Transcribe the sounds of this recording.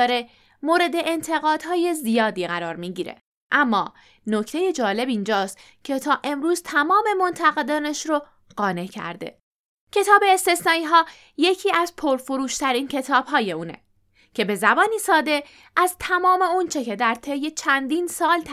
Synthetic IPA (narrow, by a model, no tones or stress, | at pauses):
ɾe̞ | moːɾe̞d̪e̞ʔːnt̪ʰe̞ɣɒːd̪̥ɦɒːje̞zijɒːd̪iːɣæɾɒːɾmiːɟiːɾḛ | ʔæmːɒː | no̞cʰt̪e̞je̞d͡ʒɒːle̞bind͡ʒɒːst̪ | cʰe̞t̪ʰɒːʔe̞mɾuːzt̪ʰæmɒːme̞mont̪ʰæɣe̞d̪ɒːneʃɾo | ɢ̥ɒːne̞cʰæ̰ɾd̪e̞̰ | cʰe̞t̪ʰɒːbe̞ːst̪e̞snɒːiːɦɒː | je̞cʰiːæzpʰo̞ɾfoɾuːʃt̪ʰæɾiːncʰe̞t̪ʰɒːb̥hɒːje̞uːne̞̰ | cʰe̞be̞zæbɒːniːsɒːd̪e̞ | ʔæzt̪ʰæmɒːme̞ont͡ʃʰe̞cʰe̞d̪æɾt̪ʰe̞je̞t͡ʃʰænd̪iːnsɒːlt̪ʰ